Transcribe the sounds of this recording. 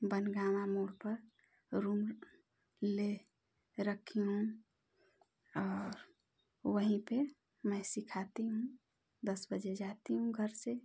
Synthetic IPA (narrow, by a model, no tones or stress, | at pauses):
bənɡamamuɽpəɾ | ɾum | le | ɾəkʰiɦũ | ɔːɾ | wəɦĩpe | məɪsikʰat̪iɦũ | d̪əsbəd͡ʒed͡ʒat̪iɦũɡʱəɾse